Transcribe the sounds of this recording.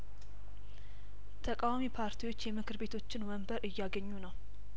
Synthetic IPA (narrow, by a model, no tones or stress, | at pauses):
t̪ʰəkʼawamipʰaɾt̪ʰiwo̞t͡ʃːjɛmɨkʰɨɾbe̞t̪ʰo̞t͡ʃːɪnwəmbəɾʔɨjːaɡəɲːunəw